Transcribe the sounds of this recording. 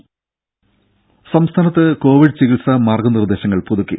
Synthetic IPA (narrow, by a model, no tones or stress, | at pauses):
sɐmst̪ʰaːnɐt̪ːɨko̞ːʋiɖɨt͡ɕiɣiɭsɐmaːrɡɐnird̪e̞ːɕɐŋːɐɭpuðukːḭ